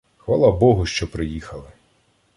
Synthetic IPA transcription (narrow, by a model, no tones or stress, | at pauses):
xʋalˠabɔɦʊʃt͡ʃɔpɾɪjixɐlˠɪ